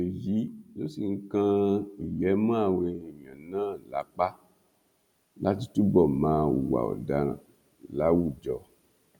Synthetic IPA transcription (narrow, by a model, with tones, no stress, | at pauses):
e˨ji˨˦lo˦si˨ŋ̩˦kã˧i˨jɛ˨˦mã˦a˦˨we˧i˨jã˨nãː˦˨la˨˦k͡pa˦ | la˦ti˧tu˦bɔ˦˨mãː˧˦˧ṵ˨wa̰˨ɔ̰˨da˧ | la˨˦wu˦˨d͡ʒɔ˨